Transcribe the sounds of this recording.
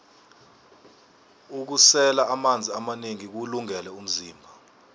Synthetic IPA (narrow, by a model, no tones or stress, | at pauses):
uk̬usɛlaʔamand͡zʱiamaneŋik̬uluŋɛlɛum̩ziːmbʱa